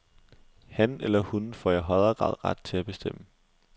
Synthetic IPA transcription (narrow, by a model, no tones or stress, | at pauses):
hænelɐhunfɒ̰iɦɒɪɐɡ̥ʁɑ̰̈ːðˠʁɑ̈d̥̚t͡sʰe̝læb̥e̝sd̥em̰ə